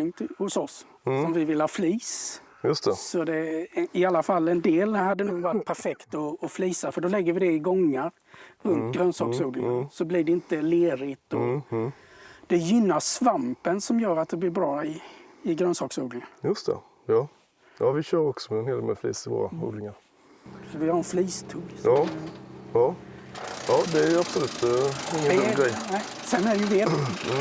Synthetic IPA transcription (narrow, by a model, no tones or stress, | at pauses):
ɪŋt̪ʰhʊsɔs | sɔmvɪvɪlːhaːfliːs | jɵst̪ɛsɔd̪ɛɪalːafalːɛnd̪eːlhad̪ːənuːɡvaʈɡ̚pʰæɾfɛkt̪ɔːfliːsafœɖɔlɛɡːəɾvɪd̪ɛɪɡɔŋːəɾ | ɾɵnt̪ɡɾœnsɑːksuːd̪ɪŋəsɔblɪɖɛɪnt̪əleːɾɪt̪ɔ | d̪ɛjʏnːaʂvampənsɔmjœːɾat̪̚d̪ɛblɪɾbɾɑːɪɪɡɾœnsɑːksuːd̪lɪŋənjɵst̪ʰɛ̰ | jɑː | jɑːvɪɕøːɾɔksɔmɛɛnheːd̪mɛ̰flḭːsɪvo̰ːɾa̰ṵːd̪lɪŋaɾ | sɔvɪhaɾɛnfliːst̪ʰʉːɡʔɑːjɑː | jɑːd̪ɛæɾapsɔlʉːt̪ɪŋːəɛɡɾɛjnɛsɛnːæɾjɪveː